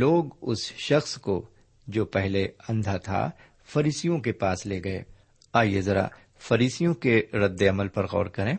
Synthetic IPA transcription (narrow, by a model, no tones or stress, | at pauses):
loːɡʊsʃɐxsko | d͡ʒoːpɛɦleɐ̃nd̪ʱat̪ʰa̰ | fɐɾiːsijõk̬epaːsleːɡɐḛː | aːiezɐɾa̰ | fɐɾiːsijõkeɾɐd̪ːeɐməlpɐɾɣɔ̰ːɾkɐɾẽː